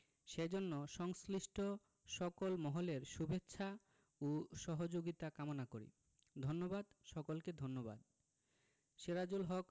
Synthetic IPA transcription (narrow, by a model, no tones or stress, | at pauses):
ʃed͡ʑonːoʃɔŋsliʃʈʰo | ʃɔkolmɔɦoleɾʃubetːɕʰa | oʃɔɦod͡ʑoɡit̪akamonakoɾḭ | d̪ʱonːobad̪ʃɔkolked̪ʱonːoba̰d̪ | ʃeɾad͡ʑulɦɔk